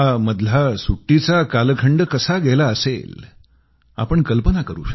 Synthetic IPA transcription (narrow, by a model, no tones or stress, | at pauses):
aməd̪lasuʈːit͡sakalkʰəɳɖəkəsaɡɛlaəsḛl | a̰pəɳkəlpənakəɾṵːɕə